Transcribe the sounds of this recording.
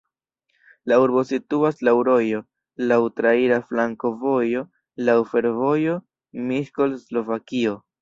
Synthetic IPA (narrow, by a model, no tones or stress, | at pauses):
lauɾbo̞situaslawɾo̞jo̞ | lawtɾaiɾaflaŋko̞vo̞jo̞ | lawfe̞ɾvo̞jo̞ | miʃko̞lslo̞vakio̞